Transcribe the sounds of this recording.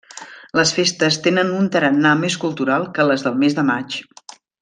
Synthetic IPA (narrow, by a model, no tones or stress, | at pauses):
ləsfest̪əst̪enənunt̪əɾənːameskulˠt̪uɾalˠkələzðəlˠmezd̪əmat͡ʃ